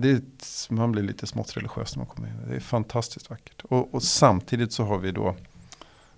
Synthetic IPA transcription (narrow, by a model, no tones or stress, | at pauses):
d̪ɛmanblɪɾɭḭːt̪ʰəsmɔ̰t̪ːɾɛ̰lɪɧɪø̰ːsnæma̰nkʰɔmːəɾɪnːɪd̪ɛ̰ːfant̪ʰast̪ɪ̥skt̪vakːə̥ʈɔɔsamt̪ʰiːd̪ɪt̪sɔɦaɾvɪd̪ɔ̰